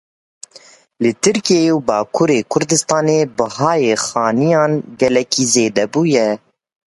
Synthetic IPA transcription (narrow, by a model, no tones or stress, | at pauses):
lɨt̪ʰɨɾkijeewbɑːkʰuːɾeːkʰʊɾd̪ɨst̪ɑːneːbɨhɑːjeːxɑːnijɑːnɡɛlɛkʰiːzeːd̪ɛbuːjɛ